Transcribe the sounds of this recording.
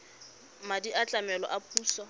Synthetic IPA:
madiat͡ɬʼamɛlɔ̰ʔapʰʼuːsɔ

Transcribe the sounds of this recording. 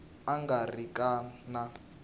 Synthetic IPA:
aŋɡarikʼaːna

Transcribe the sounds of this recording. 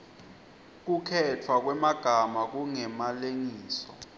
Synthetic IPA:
k̬ukʰɛtʰwak̬wɛmaɡ̥ʱamak̬uŋɛmaleŋiːsɔ

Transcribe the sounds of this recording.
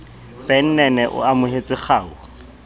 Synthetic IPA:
pʼɛn̩nɛnɛʔʊ̰amʊɦet͡sʼɪχaːʊ

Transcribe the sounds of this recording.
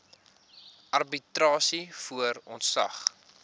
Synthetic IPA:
ʔɐrbitrɑːsifuərɔntsɐ̰χ

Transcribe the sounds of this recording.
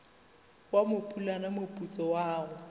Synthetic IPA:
wamʊpʼulanamopʼut͡sʼɔwaːɣʊ

